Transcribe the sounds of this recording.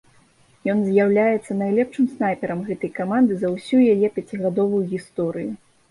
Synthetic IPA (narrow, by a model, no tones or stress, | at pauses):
jɔnzʲjawlʲajɛt̪sːɐnajlʲɛpʂɨmsnajpʲɛɾɐmɣɛt̪ɐjkamand̪ɨzɐwsʲujajɛpʲat͡sʲiɣad̪ɔvujuɣʲist̪ɔɾɨju